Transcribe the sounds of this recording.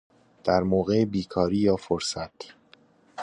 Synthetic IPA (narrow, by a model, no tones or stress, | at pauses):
d̪̥æɾmoːɣebiːkʰɒːɾiːjɒːfoɾsæt̪